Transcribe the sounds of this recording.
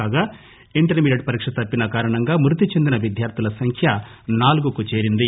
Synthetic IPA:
aːɡaː | iɳʈɐɾmiːɖeɖ̚pɐɾiːkʂɐt̪ɐpːinɐkaːɾɐɳɐŋɡaːmɾut̪it͡ʃe̞nd̪inɐʋid̪jaːɾt̪ʰilɐsɐŋkʰjɐnaːluɡukut͡ʃeːɾind̪i

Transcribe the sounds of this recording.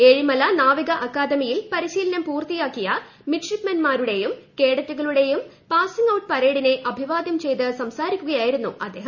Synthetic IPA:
eɻimɐlɐnaːʋiɣɐʔɐkːaːd̪ɐmijilpɐɾiɕiːlɐnɐmpuːrt̪ijaːkːijɐ | miʈʂipmɐnmaːɾuɽe̞jumkeːɽɐtːuɣɐɭuɽe̞jum | paːsiŋɡɐwʈɨpɐɾe̞ːɽine̞ʔɐbʱiʋaːd̪jɐmt͡ɕe̞jt̪ɨsɐmsaːɾikʲːuɣɐjaːjiɾunːuʔɐd̪ːe̞ːɦɐ

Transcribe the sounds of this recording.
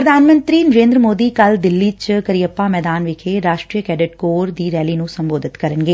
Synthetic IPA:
pɾɐd̪ʱaːnmə̃nt̪ɾinɐɾẽːnd̪ɾəmoːd̪ikɐld̪ɪlːit͡ʃkɐɾijəpːãmɛːd̪aːnʋɪkʰeɾaːʃʈɾiːəkɛːɖɪʈkoːɾd̪iːɾɛːlinũsɐ̃mboːd̪ʱɪt̪kɐɾənɡeː

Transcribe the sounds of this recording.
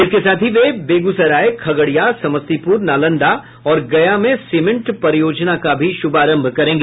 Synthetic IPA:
ɪskesaːt̪ʰiʋebeːɡusɐɾaːjkʰɐɡəɽijasɐməst̪ipuːɾnaːlə̃nd̪a | ɔːɾɡɐjamẽsɪmɪ̃ɳʈpɐɾɪjoːd͡ʒnakabʱiʃʊbʱaːɾə̃mbʱkɐɾẽːŋɡeː

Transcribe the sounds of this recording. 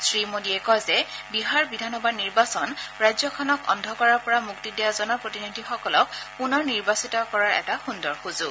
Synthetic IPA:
sɹimodiɛkɔjzɛbiɦaɹbidʱanɔbaniɹbasɔnɹajzɔkʰɔnɔkɔ̰ndʱɔkɔɹaɹpɔɹamuktidɛjazɔnɔɹpɹotinidʱixɔkɔlɔk̚punɔɹniɹbasitɔkɔɹaɹɛ̰taxundɔɹxuzuɡ

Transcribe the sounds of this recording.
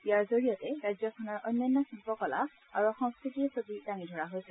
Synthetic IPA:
ijaɹzoɹiɔtɛɹajzɔkʰɔnɔɹʔɔjnjɔnːɔxilpɔkɔla̰ | aɹuxɔŋskʰɹitisobidamidʱɔɹaɦojsɛ

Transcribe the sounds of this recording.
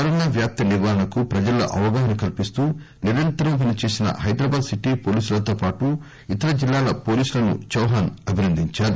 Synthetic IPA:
ɐɾɐnɐʋjaːp̚t̪jɐniʋaːɾɐɳɐkupɾɐd͡ʒɐlɐ̰ʔɐʋɐɡaːɦɐnɐkɐlpist̪uː | niɾɐnt̪ɐɾɐmʋinɐt͡ʃe̞ːsinɐ̰hɐjd̪ɾɐbaːd̪siʈiːpoːliːsulɐt̪oːpaːʈu | it̪ɐɾɐd͡ʒilːaːlɐpoːliːsulɐnṵt͡ʃɐwɦaːnɐbʱinɐnd̪ʱiɲt͡ʃaːɾu

